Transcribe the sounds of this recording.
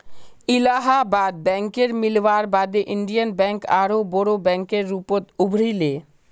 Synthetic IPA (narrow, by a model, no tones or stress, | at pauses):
ilaɦabaːd̪̚bɛ̃ŋkeɾmilʋaɾbad̪eʔiɳɖijənbɛ̃ŋkaɾobɔɾobɛ̃ŋkeɾːupot̪ubʱɾile